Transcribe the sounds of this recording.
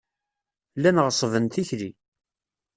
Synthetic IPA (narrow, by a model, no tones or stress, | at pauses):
lːænʁəsˤəvənt̪içɾi